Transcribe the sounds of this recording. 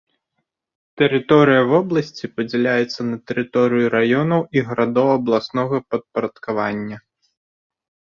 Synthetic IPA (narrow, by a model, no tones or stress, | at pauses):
t̪ɛɾɨt̪ɔɾɨjɐvɔblˠɐsʲt͡sʲipɐd͡zʲɛlʲajɛt̪sːɐnɐt̪ɛɾɨt̪ɔɾɨjuɾajɔnɐwiɣɐɾad̪ɔwɐblˠasnɔɣɐpɐt̪̚pɐɾɐt̪kavanʲːɐ